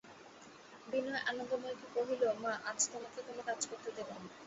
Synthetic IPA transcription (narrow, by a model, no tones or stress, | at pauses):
binɔeʔanond̪omɔokipoɦilomaʔad͡ʑt̪omaket̪omakad͡ʑkoɾt̪ːed̪ebon